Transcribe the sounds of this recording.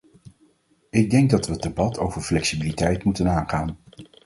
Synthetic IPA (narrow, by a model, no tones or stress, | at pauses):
ɪɡ̚dɛŋɡ̚dɑtʋədebɑtʰowvəɹflɛksibilitɛjtmutənaːnχaːn